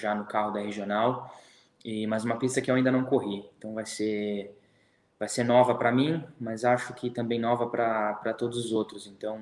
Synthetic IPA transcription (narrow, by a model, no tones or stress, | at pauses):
ʒanʊkaɦʊd̪ɐheʒionaw | ɪmɐzũmɐpist̪ɐkɪewaĩd̪ɐnɐ̃w̃koɦiẽt̪ɐ̃w̃vajse | vajseɾnɔvɐpɾɐmĩmɐzaʃʊkʰɪt̪ɐ̃mbẽj̃nɔvɐpɾɐpɾɐt̪od̪ʊzʊzowt̪ɾʊzẽnt̪ɐ̃w̃